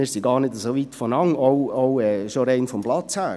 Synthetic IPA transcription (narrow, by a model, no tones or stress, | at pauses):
ɪːɾsiɡɑːɾrnɪdəsoʋitfɔnɑŋoʊoʊɛːʃoɾɛɪnfɔmblɑt͡shæː